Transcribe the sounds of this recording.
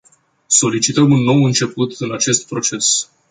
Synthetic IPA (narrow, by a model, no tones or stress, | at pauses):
so̞lit͡ʃit̪əmunːo̞wɨnt͡ʃe̞put̪ɨnat͡ʃe̞st̪̚pɾo̞t͡ʃe̞s